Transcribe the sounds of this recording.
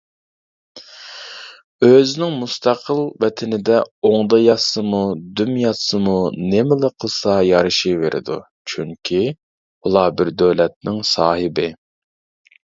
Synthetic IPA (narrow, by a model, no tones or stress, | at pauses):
øzɪnɪŋmust̪ʰɑqʰəlˠvɛt̪ʰɪnɪd̪ɛoŋd̪ɑjɑsɨmud̪ymjɑsɨmunemɪləqʰəlˠsɑjɑɾɨʃiveɾʔɪ̰d̪ṵ | t͡ʃʰyŋkʲʰi | ulˠɑːbɪɾd̪øwlɛt̪̚nɪŋsɑːhɪbɪ